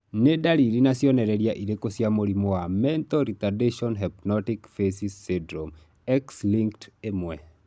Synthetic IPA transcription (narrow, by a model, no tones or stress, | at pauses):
nedaliɾinasjɔnɛɾɛɾjaʔiɾekosjamoɾimɔamɛnt̪ɔɾit̪adeʃɔnɦɛpnɔtikfesisːidɾɔm | ɛksliŋktemwɛ